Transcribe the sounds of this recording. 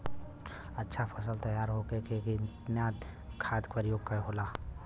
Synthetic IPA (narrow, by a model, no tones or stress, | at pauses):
ɐtːʃʰapʰɐs̬əlt̪ɐjaːɾɦoːkekeki | njaːd̪kʰaːd̪kpəɾjoːɡ̚kaɦoːlaː